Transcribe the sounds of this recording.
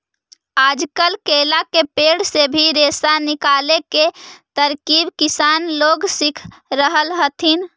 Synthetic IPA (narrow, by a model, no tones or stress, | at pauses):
aːd͡ʒkəlkeːlakepeːɽsebʱiɾeːsanɪkaːleket̪əɾkiːbkisaːnloːɡsikʰ | ɾəɦəlɦət̪ʰin